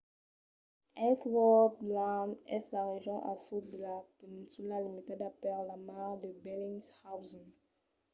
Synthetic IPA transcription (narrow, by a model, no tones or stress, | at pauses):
ʔɛfwɔdlanɛslaɾeʒɔ̃ʔa̰sudəlapɛnĩnsulalimitɛdapɛllamadəbɛlĩŋshawzĩŋ